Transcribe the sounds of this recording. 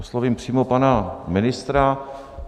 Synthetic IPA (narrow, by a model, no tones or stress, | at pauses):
osloviːmpr̝̥iːmopanamɪnɪst̪ɾa